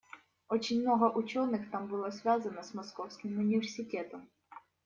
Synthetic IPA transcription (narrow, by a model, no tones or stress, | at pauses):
ɔt͡ʃʲinʲmnɔɦɐʔʊt͡ʃɔnɪxt̪ɑmbʊlˠazʲʋʲazɐnɐzmɔskɔwsʲkʲɪmʊnʲiʋʲersʲɪt̪ɛt̪ɔm